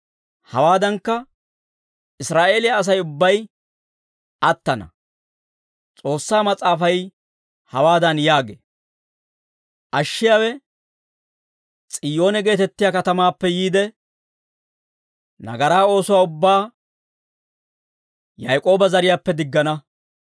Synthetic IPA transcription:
hɐwaːd̪ɐŋkːɐ | ɪsɾaːʔe̞ːlɪjaːs̬ɐjʊbːɐj | ʔɐt̪ːɐnɐ̰ | t͡sʼo̞ːsːaːmɐt͡sʼːaːfɐj | hɐwaːd̪ɐnjaːɡḛː | ʔɐʃːɪjawɛ | t͡sʼɪjo̞ːnɛɡe̞ːt̪ɛt̪ːɪjakɐt̪ɐmaːpːɛjiːd̪ɛ | nɐ̰ɡɐɾaːo̞ːsʊwaːʊbːaː | jɐjkʼo̞ːbɐzɐɾɪjaːpːɛd̪ɪɡːɐnɐ

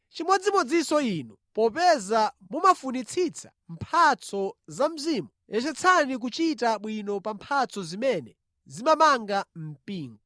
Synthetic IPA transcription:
t͡ʃimɔd͡zimɔd͡zisɔiːnɔpɔpɛza | mumafunit͡sʰit͡sʰḁ | m̩pʰat͡sʰɔzam̩ziːmujɛt͡ʃɛt͡sʰanik̬ut͡ʃitaɓwinɔpampʰat͡sʰɔzimɛnɛ | zimamaŋɡam̩piːŋɡɔ

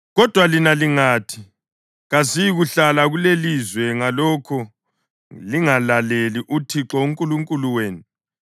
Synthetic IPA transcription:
ɣɔd̥ʱwalinaliŋaːtʰi | ɣazijɣuɬalaɣulelizwɛŋalɔkʰɔ | liŋalaleliʔutʰiǁɔuŋkʼuluŋkʼuluweːnu

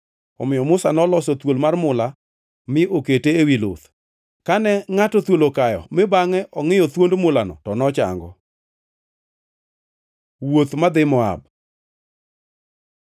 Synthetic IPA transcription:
ɔmɪjɔmʊsanɔlɔsɔt̪wolmarmʊla | mɪʔoketeewilo̰t̪ | kanɛŋatɔt̪wolokajɔ̰mɪbaŋɛʔɔŋɪjɔt̪wondmʊlanɔ̰tɔnɔt͡ʃa̰ŋɡɔ | wot̪mad̪ɪmɔa̰b

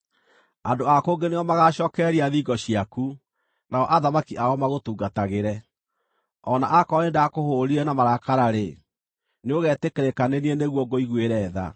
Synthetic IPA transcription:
andoakoːŋɡeneɔmaɣaɕɔːkɛɾiaðiɡɔɕiaku | naɔʔaðamakiʔaɔmaɣotuːɡataɣeɾɛ | ɔnaʔakɔnendaakohoɾiɾɛnamaɾakaɾaɾe | neoɣɛːtekeɾekanenieneɣwɔɡoiɣweɾɛːða̰

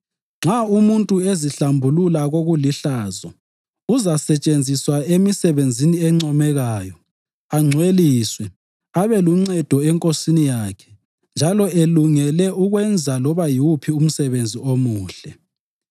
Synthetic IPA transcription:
ŋ͡ǁʱaumuntʼueziɬambʱululaɣoɣuliɬaːzɔ | uzasɛt͡ʃʼend͡zʱiswaemisɛβend͡zʱiniɛŋ͡ǀɔmɛɣaːjɔ | aŋ͡ǀʱweliːswɛ | aβɛluŋ͡ǀɛd̥ʱɔɛŋkʼosinijaːkʰɛ̥ | nd͡ʒʱalɔeluŋɛlɛʔuɣwɛnd͡zʱalɔβajiupʰium̩sɛβend͡zʱiomuːɬɛ

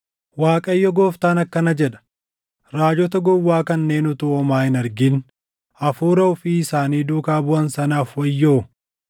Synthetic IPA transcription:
waːkʼɐjːɔɡoːft̪aːnɐkːɐnɐd͡ʒɛᶑɐ̥ | ɾaːd͡ʒɔt̪ɐɡɔwːaːkɐnːe̞ːnʊt̪ʊʔɔmaːɪnɐɾɡɪn | ɐfuːɾɐɔfiːɪsaːniːd̪uːkaːbʊɐnsɐnaːfwɐjːoː

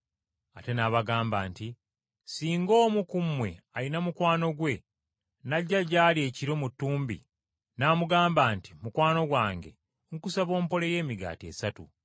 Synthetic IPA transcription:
ate̞naβaɡaːmba̰ːnti | siːŋɡo̞ːmukumwe̞̰ | ajinamukwaːno̞ɡwe̞ | naɟːaɟaːlie̞ːciɾo̞mutːuːmbḭ | naːmuɡaːmbaːnti̥mukwaːno̞ɡwaːŋɡe̞̰ | ŋkusaβo̞ːmpo̞le̞je̞ːmiɡa̰ːtie̞̰satṵ

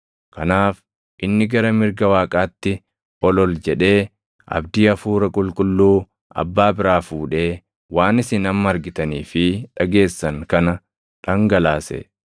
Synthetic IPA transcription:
kɐnaːf | ʔɪnːɪɡɐɾɐmɪɾɡɐwaːkʼaːt̪ːɪ | ɔlɔld͡ʒɛᶑe̞ː | ʔɐ̰bd̪iːɐfuːɾɐkʼʊlkʼʊlːuː | ʔɐ̰bːaːbɪɾaːfuːᶑe̞ː | waːnɪsɪnɐmːɐɾɡɪt̪ɐniːfɪᶑɐɡe̞ːsːɐŋkɐnɐ | ᶑɐŋɡɐlaːsɛ̰

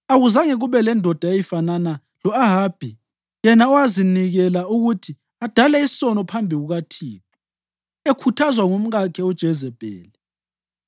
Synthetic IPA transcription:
aɣuzaŋɛɣuβɛlɛndʱɔd̥ʱajejifanana | lɔaɦab̥ʱi | jɛnaɔwaziniɣɛlauɣutʰi | ad̥ʱalɛissɔnɔpʰambʱiɣuɣatʰiːp̚ʰi̥ | ekʰutʰazwaŋum̩ɣakʰɛud̥ʒ̥ʱɛzɛb̥ʱɛ̰ːlɛ

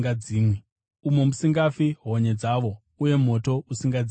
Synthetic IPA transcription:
aiːmwi | umo̞musiŋɡafiɦo̞ɲe̞d͡zaʋo̞ | uje̞mo̞to̞usiŋɡad͡zi

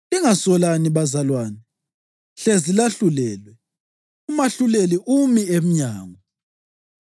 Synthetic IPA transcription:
iŋasɔlaniβazalwaːnɛ | ɬezilaɬulɛːlwɛ | umaɬuleliʔumiem̩ɲaːŋɔ

